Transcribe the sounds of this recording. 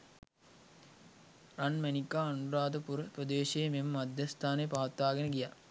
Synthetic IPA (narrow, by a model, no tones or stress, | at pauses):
ranmænikːaːnuɾaːd̪əpuɾprəd̪eːʃememəmad̪jɐst̪ʰaːnepaɦɐt̪ːaːɡɐnəɡija